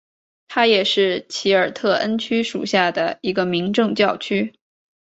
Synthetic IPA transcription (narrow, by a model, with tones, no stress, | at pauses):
t̪ʰa˥jɛ˨˩ʂɻ̩˥˩t͡ɕʰi˧˥ə˞˨˩t̪ʰɤ˥˩ʔə˥nt͡ɕʰy˥ʂṵ˨˩ɕja˥˩d̪ə˩i˧˥ɡə˧mi˧˥ŋʈ͡ʂɤ˥˧ŋt͡ɕjɑ˥˩ʊt͡ɕʰy˥